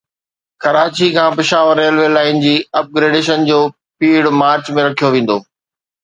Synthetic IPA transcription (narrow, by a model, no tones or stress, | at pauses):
kɐɾaːt͡ɕikʰãːpɪʃaːʋəɾːeːlʋeːlaːɪnd͡ʑiːɐp̚ɡɾeːɖeːʃənd͡ʑoː | piːɽmaːɾt͡ɕmẽɾɐkʰijoʋẽːn̆d̪oː